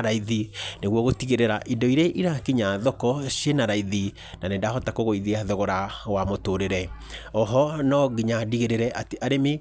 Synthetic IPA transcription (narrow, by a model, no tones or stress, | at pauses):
ɾaiðineɣwɔɣotiɣeɾeɾaʔindɔiɾeʔiɾakiɲaðɔkɔʃenaɾaiði | nanendahɔtakoɣoiðiaðɔɣɔɾawamotoɾeɾɛ | ɔɦɔnɔɣiɲadiɣeɾeɾɛʔateʔaɾeme